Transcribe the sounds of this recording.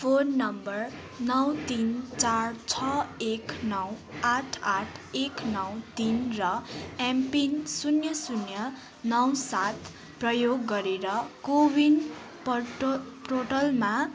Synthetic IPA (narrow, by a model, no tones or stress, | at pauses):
pʰonːʌmbʌr | nʌwt̪int͡sart͡sʰʌeknʌwaʈʰaʈʰeknʌwt̪inrʌampinsunjʌsunjʌ | nʌwsat̪ʰ | prʌjoɡːʌɾeɾʌkobin | p | proʈʌlma